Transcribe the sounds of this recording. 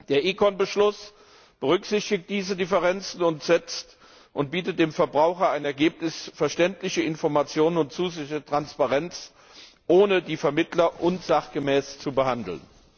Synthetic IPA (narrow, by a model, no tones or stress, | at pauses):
d̥eːɐʔiːkɔnbəʃlʊs | b̥əʁ̞ʏkz̥ɪçtɪk̚t̚d̥iːzədɪfəʁ̞ɛnt͡sn̩ʊntz̥ɛt͡st | ʔʊnt̚b̥iːtət̚d̥eːmfɛɐbʁaʊxɐaɪnɛɐɡeːp̚nɪsfɛɐʃtɛntlɪçəɪnfɔɐmat͡sjoːnənʊntt͡suːzɪətʁ̥anspaʁɛnt͡s | ʔoːnədiːfɛɐmɪtlɐʔʊnzaχɡ̥əmɛːst͡subəhandl̩n